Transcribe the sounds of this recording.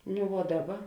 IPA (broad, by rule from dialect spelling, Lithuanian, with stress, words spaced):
nʊ ʋuɔ ˈdɑːˌbɐ